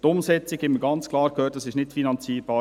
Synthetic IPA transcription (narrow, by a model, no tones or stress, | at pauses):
tʊmsɛt͡sɪkhɛməɡ̥ɑnt͡skʰlɑːɾkhøːt̚dɑsɪʃnɪtfinɑnt͡siːɾb̥ɑː